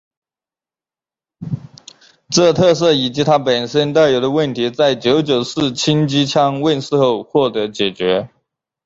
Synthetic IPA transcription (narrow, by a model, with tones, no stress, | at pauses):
ʈ͡ʂɤ˥˧t̪ʰɤ˥˧sɤ˥˩i˨˩t͡ɕi˧˥t̪ʰa˥pə˨˩nʂə˥nt̪a˥˩ɪjo˧˥ʊd̪ə˧wə˥˩nt̪ʰi˧˥t͡sa˥˩ɪt͡ɕjo˧˥ʊt͡ɕjo˨˩ʊʂɹ̩˥˩t͡ɕʰi˥ŋt͡ɕi˥t͡ɕʰjɑ˥ŋwə˥˧nʂɹ̩˥˧xo˥˧ʊxwɔ˥˩t̪ɤ˧˥t͡ɕjɛ˨˩t͡ɕɥɛ˧˥